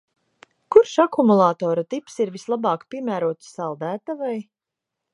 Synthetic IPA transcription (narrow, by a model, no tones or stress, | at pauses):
kuɾʃakumulˠaːt̪ɔːɾat̪ipsiɾvislˠabɑːkpʲiɛmæːɾuɔt̪sːalˠd̪æːt̪avaj